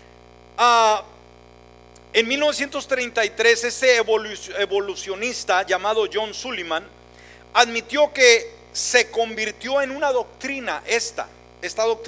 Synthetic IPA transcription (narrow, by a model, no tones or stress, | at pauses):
a | enmilnoe̞sje̞nt̪o̞st̪ɾe̞jnt̪ajt̪ɾe̞se̞st̪e̞βoleβo̞lusjonist̪aʝamað̞o̞ʝo̞nsulimãn | aðmit̪jo̞ke̞ | se̞ko̞mbiɾt̪jo̞e̞nunaðo̞k̚t̪ɾina̰ʔe̞st̪a̰ | est̪aðok̚t̪